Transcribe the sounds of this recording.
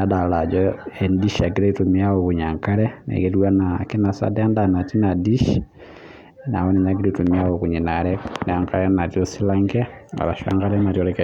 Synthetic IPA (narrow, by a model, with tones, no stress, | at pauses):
a˦da˨la˨d͡ʒɔendiʃa˨ɡiɾe˦itumi˦a˦oku˨ɲa˨ŋka˦ɾɛnḛkeɾwa˦naki˦na˨sa̰˦dɛ˦ndana˨ti˦na˨di˦ʃ | na̰˨wo˦ni˨ɲaɡi˦ɾitu˨mia˦okuɲi˨naɾɛna˨ŋkaɾɛna˨tiosi˦la˦ŋɡe˦a̰la˨ʃa̰˦ŋɡa˦lɛma˨tɔ˦ɾɛke